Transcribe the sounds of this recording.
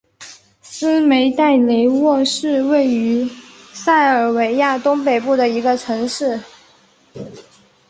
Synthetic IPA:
sɹ̩˥me˧˥ɪt̪a˥˩ɪle˧˥ɪwɔ˥˧ʂɻ̩˥˧we˥˩ɪy˧˥sa˥˩ɪə˞˨˩we˧˥ɪja˥˩t̪ʊ˥ŋpe˨˩ɪpu˥˩d̪ə˩i˧˥ɡə˧ʈ͡ʂʰɤ˧˥ŋʂɻ̩˥˩

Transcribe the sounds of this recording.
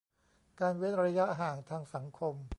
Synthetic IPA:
kaː˧nwe˦˥n̚ɾa˧ja˦˥ʔɦaː˨˩ŋt̪ʰaː˧ŋsa˩˦ŋkʰo˧m

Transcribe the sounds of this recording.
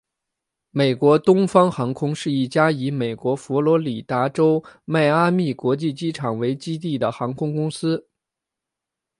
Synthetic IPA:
me˨˩ɪkwɔ˧˥t̪ʊ˥ŋfɑ˥ŋxɑ˧˥ŋkʰʊ˥ŋʂɻ̩˥˧i˥˩t͡ɕja˥i˧˥me˨˩ɪkwɔ˧˥fɔ˧˥lwɔ˧˥li˨˩t̪a˧˥ʈ͡ʂo˥ʊma˥˩ɪa˥mi˥˩kwɔ˧˥t͡ɕi˥˩t͡ɕi˥ʈ͡ʂʰɑ˨˩ŋwe˧˥ɪt͡ɕi˥t̪̬i˥˩d̪ə˩xɑ˧˥ŋkʰʊ˥ŋkʊ˥ŋsɹ̩˥

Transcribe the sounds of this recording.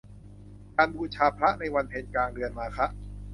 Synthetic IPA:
kaː˧nbuː˧t͡ɕʰaː˧pʰɾa˦˥ʔna˧jwa˧npʰe˧nkaː˧ŋɾɯ˧ənmaː˧kʰɾa˦˥ʔ

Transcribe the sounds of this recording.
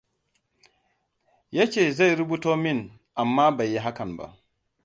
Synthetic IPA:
ja˦t͡ʃɛ˨za˦jɾu˦bu˦tɔː˦mi˦n | ʔa˨mːaː˦ba˨jːɛ˦ɦa˦ka˨nba̰˨

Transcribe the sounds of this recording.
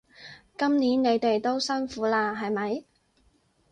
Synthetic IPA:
kɐ˥mniː˨˥nne˨˧jt̪e˨jt̪o˥wsɐ˥nfuː˨˥laː˧ɦɐ˨jmɐ˨˥j

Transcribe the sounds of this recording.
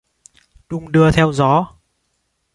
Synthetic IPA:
ɗʊ˧ŋ͡mɗɨ˧ət̪ʰɛ˧wzɔ˨˦

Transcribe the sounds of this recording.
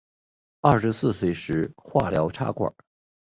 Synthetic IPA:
ɐ˥˩ʂɻ̩˧˥sɹ̩˥˩swe˧˥ɪʂɻ̩˧˥xwa̰˥˩ljɑ˧˥ʊʈ͡ʂʰa̰˥kwə̰˨˩˦

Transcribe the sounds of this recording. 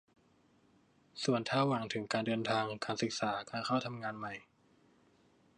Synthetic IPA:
su˨˩ənt̪ʰaː˧˥˩waː˨˩ŋt̪ʰɯ˩˦ŋkaː˧ndɤː˧nt̪ʰaː˧ŋkaː˧nsɯ˨˩k̚saː˩˦kaː˧nkʰa˥˩wt̪ʰa˧mŋaː˧nma˨˩j

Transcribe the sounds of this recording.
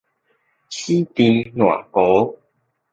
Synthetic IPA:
t͡ɕʰi˦t̪ĩ˧nw̃a̰˨˩ko˨˦

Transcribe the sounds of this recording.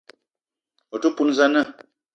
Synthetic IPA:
o˨tu˦pu˦n˦˨za˦nə˦˨

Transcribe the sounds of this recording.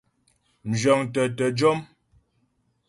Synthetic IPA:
m̩˨d͡ʒɔ˨ŋtə˨tɛ˨d͡ʒɔ˦m

